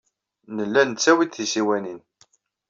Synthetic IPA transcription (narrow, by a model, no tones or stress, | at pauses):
nəlːænt͡sːæwid̪θisiwænin